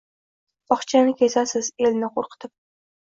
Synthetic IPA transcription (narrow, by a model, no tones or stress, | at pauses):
ɒχt͡ʃʰanɪkʲesasɪzelnɪqʰoɾqʰɨ̥t̪ʰɪp̚